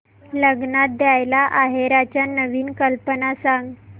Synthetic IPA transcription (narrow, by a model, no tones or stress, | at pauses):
ləɡnat̪̚d̪jajlaʔaɦeɾat͡ɕjanəʋiːnkəlpənasãŋɡ